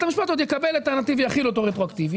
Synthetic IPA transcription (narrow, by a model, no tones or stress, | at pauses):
t̪amiʃpat̪od̪jekabelat̪eʁnat̪ivejaχilot̪oʁet̪ʁoakt̪ivi